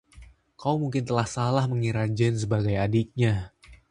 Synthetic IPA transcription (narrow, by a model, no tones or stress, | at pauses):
kaumuŋkɪnt̪əlahsalahməŋiɾad͡ʒɛns̬əbaɡajadɪk̚ɲa